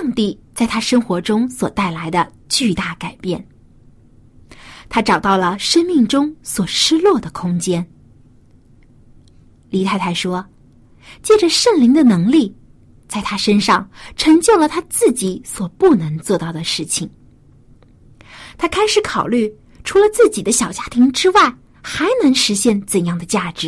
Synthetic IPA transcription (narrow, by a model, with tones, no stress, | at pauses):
ŋt̪i˥˩t͡sa˥˩ɪt̪ʰa˥ʂɤ˥ŋxwɔ˧˥ʈ͡ʂʊ˥ŋswɔ˨˩t̪a˥˩ɪla˧˥ɪd̪ə˧ | t͡ɕy˥˧t̪a˥˩ka˨˩ɪpjɛ̰˥˩n | t̪ʰa˥ʈ͡ʂɑ˨˩ʊt̪ɑ˥˩ʊlə˩ʂə˥ŋmi˥˩ŋʈ͡ʂʊ˥ŋswɔ˨˩ʂɻ̩˥lwɔ˥˩d̪ə˩kʰʊ˥ŋt͡ɕjɛ˥n | li˧˥t̪ʰa˥˧ɪt̪ʰa˧˥˩ɪʂwɔ˥ | t͡ɕjɛ˥˩ʈ͡ʂə˩ʂə˥˩nli˧˥ŋd̪ə˧nɤ˧˥ŋli˥˩ | t͡sa˥˩ɪt̪ʰa˥ʂə˥nʂɑ˥˩ŋʈ͡ʂʰɤ˧˥ŋt͡ɕjo˥˩ʊlə˩t̪ʰa˥t͡sɹ̩˥˩t͡ɕi˧˥swɔ˨˩pu˥˩nɤ˧˥ŋt͡swɔ˥˧t̪ɑ˥˩ʊd̪ə˩ʂɻ̩˥˩t͡ɕʰi˨˩ŋ | t̪ʰa˥kʰa˥ɪʂɻ̩˧˥kʰɑ˨˩ʊly˥˩ | ʈ͡ʂʰu˧˥lə˧t͡sɹ̩˥˩t͡ɕi˨˩d̪ə˦ɕjɑ˨˩ʊt͡ɕja˥t̪ʰi˧˥ŋʈ͡ʂɻ̩˥wa˥˩ɪ | xa˧˥ɪnɤ˧˥ŋʂɻ̩˧˥ɕjɛ˥˩nt͡sə˨˩njɑ˥˩ŋd̪ə˩t͡ɕja˥˩ʈ͡ʂɻ̩˨˩˦